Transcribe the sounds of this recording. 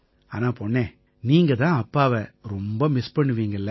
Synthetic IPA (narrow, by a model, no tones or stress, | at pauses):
a̰ːnãːpoːɳːẽː | niːŋɡɐt̪ãːɐpːaːʋɐɾɔmbɐmɪspɐɳːɯʋiːŋɡɐɪlːɐ